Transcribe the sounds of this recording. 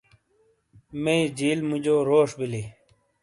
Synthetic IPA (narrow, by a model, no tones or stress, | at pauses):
mẽd͡ʑiːlmud͡ʑoːɾoːʂbili